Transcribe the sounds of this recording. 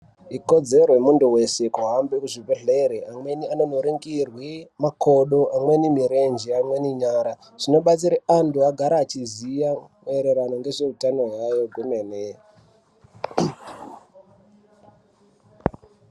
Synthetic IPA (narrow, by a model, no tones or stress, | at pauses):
iko̞d͡ze̞roemunduwe̞se̞kuɦambekuʐibʱeɮeɾeʔamwe̞nianonoɾeŋɡirwimako̞ɗoʔamwe̞nimiɾe̞nd͡ʒiamwe̞niɲaːɾa | ʐ̥ino̞ɓat͡siɾeanduaɡʱaɾaːt͡ʃizijameɾe̞ɾano̞ŋɡe̞ʐe̞utano̞ɦajo̞ɡʱumene